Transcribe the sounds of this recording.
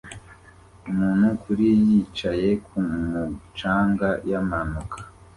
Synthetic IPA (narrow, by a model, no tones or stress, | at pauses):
umuːn̥hukʰuɾijit͡ʃaje̞kʰumut͡ʃaːŋɡajamanukʰḁ